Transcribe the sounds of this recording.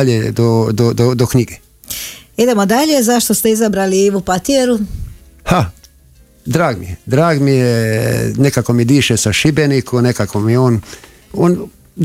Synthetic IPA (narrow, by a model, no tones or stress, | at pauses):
ʎed̪od̪od̪okɲiɡe | id̪e̞mod̪aʎezaʃt̪ost̪e̞izabɾaliiʋupat̪ieɾu | ha | d̪ɾaːɡmḭjed̪ɾaːɡmijenekakomid̪iːʃesaʃibenikʰonekakomioːn | oːn